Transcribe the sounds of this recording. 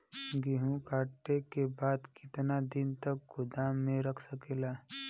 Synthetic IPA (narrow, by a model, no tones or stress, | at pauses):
ɡiɦũkaːʈːekebaːd̪kɪt̪nad̪ɪnt̪ək̚ɡʊd̪amẽɾɐkʰsəkeːlaː